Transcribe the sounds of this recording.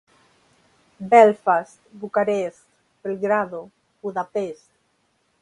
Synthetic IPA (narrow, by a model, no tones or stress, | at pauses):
bɛlfas | bukaɾes | pelɣɾaðo | buðapes